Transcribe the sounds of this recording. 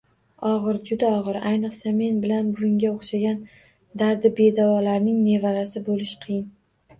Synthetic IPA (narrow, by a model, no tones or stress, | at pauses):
ɒʁɨɾd͡ʒʊd̪aɒʁɨɾajnɨqsame̞nbɪlanbʊɡʲʊŋɡʲaoχʃaɡʲan | d̪aɾd̪ɪbe̞d̪awɒlaɾnɪŋne̞vaɾasɪbolɪʃqʰɨjɪn